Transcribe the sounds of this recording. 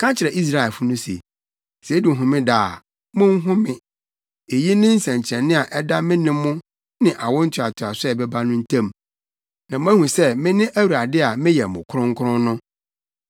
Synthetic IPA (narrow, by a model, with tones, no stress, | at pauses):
kʰã˦t͡ɕʰɪ˨ɾɛ˨ʔi˦s̬ɾa˦˨ɛ˨lfʊ˦nʊ̃˦sḛ˨ | se˨˦dɪ˨ɦʊ̃˨mɪ̃˦da˨ | mʊ̃˦ŋ˦ɦʊ̃˦mɪ̃˨ | e˨ji˦nɪ̃˦n̩˦sɛ̃˨ɲ˨t͡ɕʰɛ̃˨nːɪ̃˦a˨ʔɛ˦da˦mɪ̃˦nɪ̃˦mʊ̃˦ | nɪ̃˨ʔa˨wɔ̃˦n̩˦tʰɪ˨a˨tʰʊ˨a˨sɛ˨bɛ˦ba˦nʊ̃˦n̩˦tʰã˦m | nã˨m˦æ̃˦hũ˨sɛ˦mɪ̃˦nɪ̃˦ʔæ˦wu˨ɾa˨dɪ˦a˨mɪ̃˦jɛ˨mʊ̰̃˨kʰʊ˦ɾʊ̃˦ŋ̩˦kʰʊ˦ɾʊ̃˦nʊ̃˦